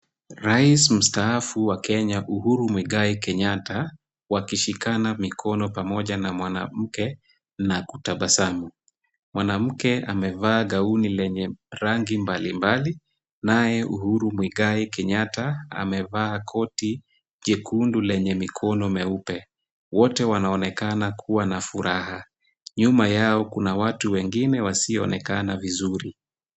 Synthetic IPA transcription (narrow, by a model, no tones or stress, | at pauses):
ɾaism̩staafuwakɛɲaʔuhuɾumwiɠaikɛɲata | wakiʃikanamikʰɔnɔpamɔʄanamwana̰m̩kɛ | nakutaɓasamu | mwanam̩kɛa̰mɛvaːɠaunilɛɲɛɾaŋɡimbalimbali | najɛʔṵhuɾumwiɡaikɛɲataa̰mɛvaːkʰɔti | ʄɛkundulɛɲɛmikʰɔnɔmɛupɛ | wɔtɛwanaɔnɛkanakʰuwanafuɾʔaha | ɲumajaɔkunawatuwɛŋɡinɛwasiɔ̰nɛkanavizuɾi